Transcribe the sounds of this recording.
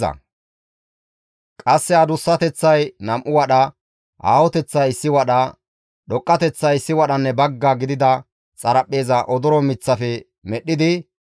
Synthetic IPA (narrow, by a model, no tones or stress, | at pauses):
ɐ̰ | kʼɐsːɛɐd̪ʊsːɐt̪ɛt͡sːɐjnɐmʔʊwɐɗɐ | ʔa̰ːwɔt̪ɛt͡sːɐjɪsːɪwɐɗɐ | ɗɔkʼːɐt̪ɛt͡sːɐjɪsːɪwɐɗɐnːɛbɐɡːaɡɪd̪ɪd̪ɐ | t͡sʼɐɾɐpʼːe̞ːzɐʔɔd̪ɔɾɔmɪt͡sːɐfɛ | mɛɗːɪd̪ɪ